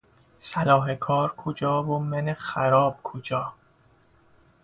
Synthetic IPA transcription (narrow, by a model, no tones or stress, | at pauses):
sælɒːɦekʰɒːɾkʰod͡ʒɒːvomenexæɾɒːb̥̚kʰod͡ʒɒː